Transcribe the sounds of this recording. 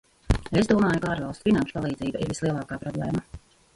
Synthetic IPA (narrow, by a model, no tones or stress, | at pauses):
esd̪uɔmaːjukaaːɾvɑlˠst̪finanʃu̥palˠiːd̪ziːbaʔḭɾvislˠiɛlˠɑːkaːpɾɔblˠḛːma